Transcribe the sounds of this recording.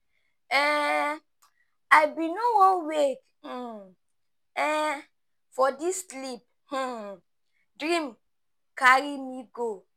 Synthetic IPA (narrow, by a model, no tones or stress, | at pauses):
ɛ | ajbinowɔ̃nwek | h̩ | ɛ | fɔdisːlip̚ | h̩ | dɹĩm | kaɹimiɡo